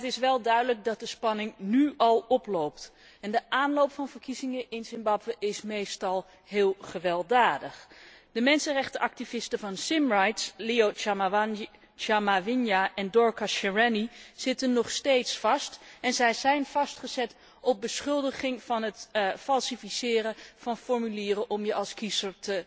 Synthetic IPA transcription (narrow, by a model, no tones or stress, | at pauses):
ətɪsʋɛlˠdœɥdələk̚dɑt̚dəspɑnɪŋnyɑlˠɔplowpt | ɛndəʔaːnlowpfɑnvəɹkizɪŋəʔɪnsɪmbɑbʋəʔɪsmejstɑlˠ | ɦɪːlˠχəʋɛlˠdaːdəχd̥əmɛnsənrɛχtəʔɑk̚tivɪstəvɑnsɪmrɑjtsleo | amavɪnjaʔɛndɔɹkaʃɛɹɛniz̥ɪtənːɔχstejtsfɑstɛnzɛjzɛjnv̥ɑstχəzɛt | ɔb̚bəsχɵlˠdəχɪŋv̥ɑnɦətfɑlˠsifisɪːrəv̥ɑnfɔɹmyliːrəʔɔmjəʔɑlˠskizəɹtə